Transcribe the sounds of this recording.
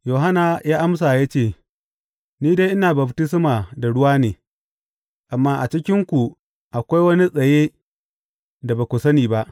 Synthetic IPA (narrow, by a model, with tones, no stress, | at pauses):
joː˨ɦa˦na˨jaː˦ʔa˦ms̬aː˨ja˦t͡ʃeː˦˨ | niː˦de˦jʔɪ˦naː˨bɐ˨btɪ˦s̬maː˨da˨ɽʊ˦waː˦neː˨ | ʔa˨mːaː˦ʔa˨t͡ʃɪ˦kʲɪ˦ŋkʷu˨ | ʔa˨kʷa˦jwɐ˦ni˦sʼɐ˨jeː˦ | da˨baː˨kʷʊ˨sɐ˦niː˨ba˦ʔ